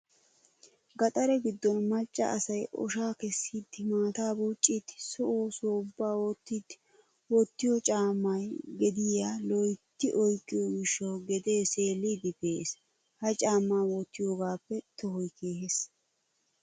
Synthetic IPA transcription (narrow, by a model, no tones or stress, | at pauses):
ɡɐt̪ʼɐɾɛɡɪd̪ːɔnmɐt͡ʃʼːɐ̰ʔɐsɐjʔɔ̰ʃaːkɛsːiːd̪ɪmaːt̪aːbuːt͡ʃʼːiːd̪sɔʔoːsoːʊbːaːwoːt̪ːiːd̪ | wɔt̪ːɪjɔt͡ʃʼaːmːɐjɡɛd̪ɪjaːlɔjt̪ːɪʔɔjkʼːɪjɔɡɪʃːowɡɛd̪eːseːlːid̪ɪpeːs | hɐt͡ʃʼaːmːaːwot̪ːɪjoːɡaːpːɛt̪ɔhɔjkʰeːhes